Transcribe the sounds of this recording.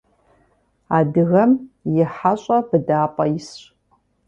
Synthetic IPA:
adɨɣɐmjɪħaɕʷʼabɨdaːpʼais

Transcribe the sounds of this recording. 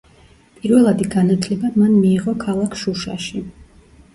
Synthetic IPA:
pʼiɾvɛlˠad̪iɡanat̪ʰlɛbamanmiːʁɔkʰalˠakʰʃuʃa̰ʃi

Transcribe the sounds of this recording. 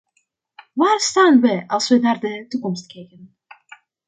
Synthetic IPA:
ʋaːrstaːnʋəʔɑlˠsʋənaːrdətukɔmstkɛjkən

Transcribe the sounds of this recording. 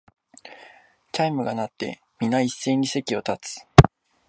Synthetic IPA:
taimɯ̟ɡanat̪ːe̞̰ | mʲinaisːe̞ːɲ̟ːise̞kʲio̞t̪at͡sɨ̥

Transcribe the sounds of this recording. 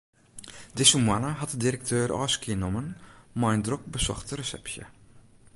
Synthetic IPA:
dɪsumwanəɦɑtdədiɾək̚tʰøːɾɔ̰ːskiənɔmənmajndrɔk̚bəsɔ̰χtərəsɛ̰psjə̰

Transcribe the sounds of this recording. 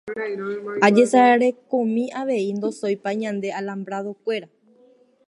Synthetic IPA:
ad͡ʒe̞saeɾe̞kõmĩʔaʋe̞ind̪o̞sojpaɲãnd̪e̞alambɾaðo̞kʷe̞ɾa

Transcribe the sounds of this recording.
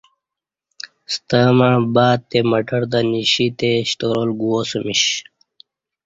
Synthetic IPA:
st̪aːmãbaːt̪̚t̪ːemɐʈɐɾd̪aniɕit̪eɕʈoːɾolɡuosumiɕ

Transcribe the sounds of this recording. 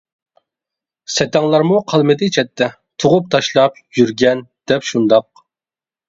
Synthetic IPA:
sɛt̪ʰɛŋlˠɑɾmuqʰɑlˠmɨd̪ɪt͡ʃʰɛt̪ʰːɛ | t̪ʰoʁʊp̚t̪ʰɑʃlˠɑp̚jyɾɡʲɛnd̪̥ɛpʃund̪ɑq̚

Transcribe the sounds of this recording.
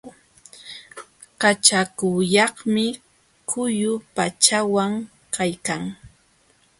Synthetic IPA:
kat͡ʃakʊjɑχmɪ | kʰʊjʊpat͡ʃawaŋ | kajkaŋ

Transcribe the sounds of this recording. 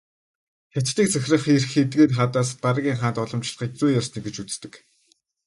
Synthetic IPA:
xʲḁt̪t̪iːk̚t͡sʰæxʲrə̆χirxet̪ɡeːt̪χat̪aːspaɾə̆ɣʲiːŋχaːnt̪ɔɮɞ̆mt͡ɕɪɮə̥̆χiːk̚t͡sujasniːkɡet͡ɕut͡s̆t̪ɘ̆k

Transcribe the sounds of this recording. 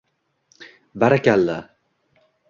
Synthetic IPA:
baɾakʲalːa

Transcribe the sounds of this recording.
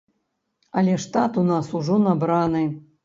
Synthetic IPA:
ɐlʲɛʂt̪at̪unasuʐɔnabɾanɨ

